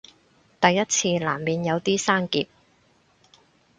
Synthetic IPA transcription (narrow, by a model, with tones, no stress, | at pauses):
t̪ɐ˨jːɐ˥t̚t͡sʰiː˧la̰ː˨˩mmiː˨˧njɐ˨˧wt̪iː˥saː˥nkḭː˧p̚